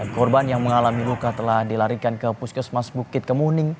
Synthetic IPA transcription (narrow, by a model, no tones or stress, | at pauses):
kɔrbanjaŋməŋalamilukat̪əlahdilaɾikankəpuskəsmasbukɪt̪̚kəmunɪŋ